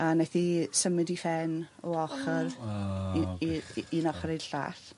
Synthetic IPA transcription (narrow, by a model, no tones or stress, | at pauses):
anaθisəmɪdifɛnɔɔχər | inɔχɔɾedɬa̰ːθ